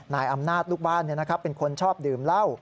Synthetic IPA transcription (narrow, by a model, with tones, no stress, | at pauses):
naː˩˦jʔa˧mnaː˥˩t̪̚luː˥˩k̚baː˥˩nːi˥˩ɐna˦˥kʰɾa˦˥pːe˧nkʰo˧nt͡ɕʰɔː˥˩p̚dɯː˨˩mla˥˩w